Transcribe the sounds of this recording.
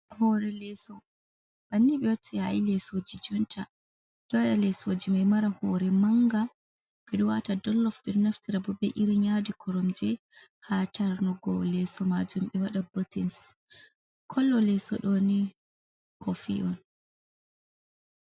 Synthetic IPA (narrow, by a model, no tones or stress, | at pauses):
hɔɾɛlɛsɔ | b̥anːiɓɛwɔtʰːɛa̰jlɛsod͡ʒid͡ʒɔntʰa | ɗɔwaɗalɛsoːd͡ʒimajmaɾahɔɾɛmaŋɡa | ɓɛɗɔwatadɔlːɔfbiɾnaftiɾabɔbɛʔiɾiɲadikʰɔɾɔmd͡ʒɛhatʰaɾnɔɡɔlɛsɔmad͡ʒumɓɛwaɗabɔtins | kʰɔlːɔlɛsɔ̰ɗɔni | kʰɔfḭʔɔn